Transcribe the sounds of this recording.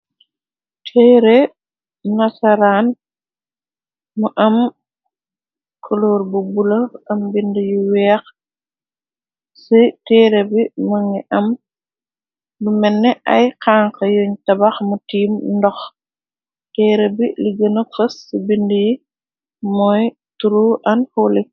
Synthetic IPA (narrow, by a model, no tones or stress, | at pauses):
tʰɛɾɛ | nasaɾaːn | muʔɐm | kʰɔlɔːɾbubulɐɐmbindəjiwɛːx | sitɛːɾɛbimɐŋɡɛʔɐm | lumɛnːɛʔɐ̰jkaːŋkɐjoɲtɐbaxmutiːmndɔx | tɛːɾebiliɡɐnəfɐsːibinduji | mɔj | tuɾuʔɐnholi